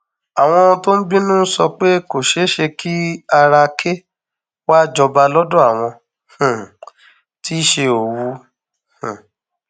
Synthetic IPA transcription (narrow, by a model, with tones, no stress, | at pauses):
a˨w̃ɔ̃˧to˦n̩˦bi˦nũ˦n̩˦sɔ˧k͡pe˦ko˨ʃe˨˦ʃe˧kʰi˦a˧ɾa˧kʰe˦ | wa˦d͡ʒɔ˧ba˧lɔ˦dɔ̃˦a˦˨w̃ɔ̃˧ | h̩˨ | ti˦ʃe˧o˨wu˧˦ | h̩˨